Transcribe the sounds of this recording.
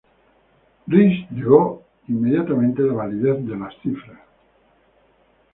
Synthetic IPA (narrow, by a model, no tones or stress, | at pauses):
riʃʎeɣo | imːeðjat̪amẽnt̪elaβaliðeθd̪elasθifɾas